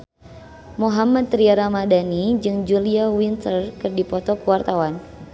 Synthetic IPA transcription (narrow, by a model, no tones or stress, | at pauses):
moɦamat̪ɾiaɾamadanid͡ʒɨŋd͡ʒuliawint̪ərkɨrdipɔt̪ɔkuwart̪awan